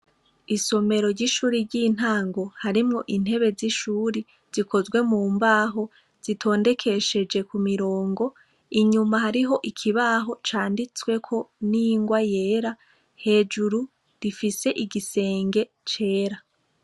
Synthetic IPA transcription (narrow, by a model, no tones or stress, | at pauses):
iso̞me̞ɾo̞ɾɟiʃuːɾiɾɟiːn̥haːŋɡo̞haɾimŋo̞ʔin̥he̞βe̞ziʃuːɾi | z̥ikʰo̞zɡwe̞muːmbaːɦo̞ | z̥itʰo̞ːnde̞kʰe̞ʃe̞d͡ʒe̞kumiɾo̞ːŋɡo̞ | iɲumaɦaɾiɦo̞ʔikʰiβaːɦo̞t͡ʃaːndit͡swe̞kʰo̞niŋɡwaje̞ːɾa | he̞ːd͡ʒuɾu | ɾifise̞ʔiɡise̞ːŋɡe̞ | t͡ʃe̞ːɾa